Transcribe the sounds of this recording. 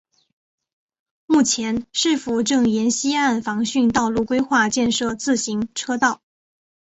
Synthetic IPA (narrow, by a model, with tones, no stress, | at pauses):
mu˥˩t͡ɕʰjɛ˧˥nʂɻ̩˥˩fu˧˥ʈ͡ʂɤ˥˩ŋjɛ˧˥nɕi˥a˥˩nfɑ˧˥ŋɕy˥˧nt̪ɑ˥˧ʊlu˥˩kwe˥ɪxwa˥˧t͡ɕjɛ˥˧nʂɤ˥˧t͡sɹ̩˥˩ɕi˧˥ŋʈ͡ʂʰɤ˥t̪ɑ˥˩ʊ